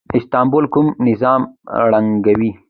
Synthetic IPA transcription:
ɪst̪ɑːmbolkʊmnɪzɑːmɽaŋɡawi

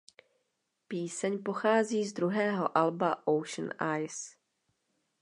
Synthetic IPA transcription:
piːsɛɲpo̞xaːziːzd̪ɾuɦɛːɦo̞ʔalbaʔowʃn̩ʔajs

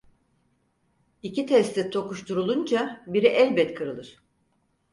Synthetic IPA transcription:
icʰit̪ʰɛst̪it̪ʰo̞kuʃt̪ʰuɾulˠund͡ʒabiɾiʔɛlʲbɛt̪kʰɯɾɯlˠɯɾ̝̥

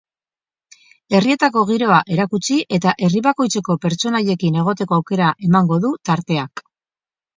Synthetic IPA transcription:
e̞rie̞t̪ako̞ɣ̞iɾo̞aʔe̞ɾakut͡siʔe̞t̪aʔe̞riβako̞jt͡se̞ko̞pe̞ɾt͡ʃo̞naʎe̞kine̞ɣ̞o̞t̪e̞ko̞awke̞ɾaʔe̞maŋɡo̞ðut̪aɾt̪e̞ak

